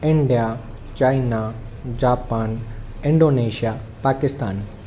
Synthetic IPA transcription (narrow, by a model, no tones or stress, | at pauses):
ɪ̃ɳɖija | t͡ɕaːinad͡ʑaːpaːnɪ̃ɳɖoːneːʃija | paːkɪst̪aːn